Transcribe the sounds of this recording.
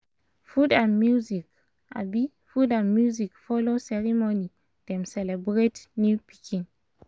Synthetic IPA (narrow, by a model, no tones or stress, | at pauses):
fudãnmjuzik | ʔa̰bi | fudãnmjuzikfɔlosɛɹimoni | d̥ɛ̃msɛlɛbɹetnjupikʰĩn